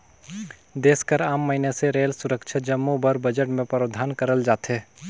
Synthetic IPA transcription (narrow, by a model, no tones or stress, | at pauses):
d̪eːskəɾaːmːəɦineseɾeːlsʊɾəkʃʰad͡ʒəmːubəɾbəd͡ʒəʈmẽpɾəːd̪ʱaːnkəɾəld͡ʒaːt̪eː